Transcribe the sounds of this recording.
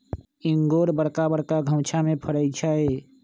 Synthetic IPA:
ɪŋɡoːɾbəɽkabəɽkaɡʱə̃ʊ̃t͡ʃʰamẽpʰəɽəɪt͡ʃʰaːɦeː

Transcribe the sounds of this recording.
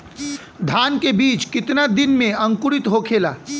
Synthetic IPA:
d̪ʱaːnkebiːt͡ʃkɪt̪nad̪ɪnmẽɐ̃ŋkʊɽɪt̪ɦokʰeːla̰ː

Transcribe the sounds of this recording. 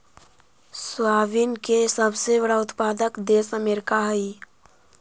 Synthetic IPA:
swaːʋinkesəbsebəɽaʊt̪paːd̪əkd̪eːsəmeːɾɪkaɦəi

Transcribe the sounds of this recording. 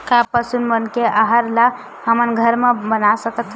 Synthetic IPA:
kapəsunmənkeʔaɦəɾla | həmənɡʱəɾmebənasəkət̪

